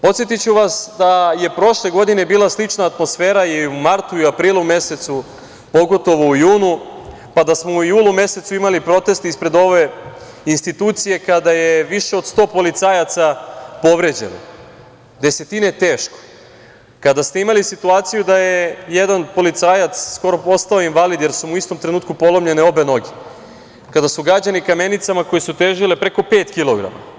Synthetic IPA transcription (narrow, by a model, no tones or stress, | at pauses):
po̞t̪sjet̪it͡ɕuʋasd̪aje̞pɾo̞ʃle̞ɡo̞d̪ine̞biːlˠaslit͡ʃnaːt̪mo̞sfe̞ːɾajeumaɾt̪uiapɾiːlˠume̞se̞t̪su | po̞ɡo̞t̪o̞ʋoujuːnu | pad̪asmo̞ujuːlˠume̞se̞t̪suimalipɾo̞t̪e̞st̪ispɾe̞d̪o̞ʋe̞ | inst̪it̪uːt̪sije̞kad̪ajeʋiʃe̞od̪st̪o̞ːpo̞lit̪saːjat̪sapo̞ʋɾe̞d͡ʑe̞̰no̰ | d̪e̞se̞t̪inet̪eːʃko̥ | kad̪ast̪eimalisit̪uaːt̪sijud̪ajejed̪anpo̞lit̪saːjat̪ssko̞ɾo̞po̞st̪aoinʋalid̪jeɾsumuist̪omt̪ɾenuːt̪kupo̞lo̞mʎe̞neo̞be̞no̞ɡi | kad̪asuɡɾad͡ʑanikame̞nit̪samako̞jesut̪e̞ʒilepɾe̞ko̞pe̞ːt̪kilˠo̞ɡɾa̰ma̰